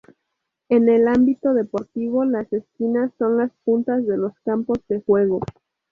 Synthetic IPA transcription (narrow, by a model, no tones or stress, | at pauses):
e̞ne̞lambit̪o̞ðe̞po̞ɾt̪iβ̞o̞lase̞skinasːo̞nlaspunt̪azðe̞lo̞skampo̞zðe̞xwe̞ɣ̞o̞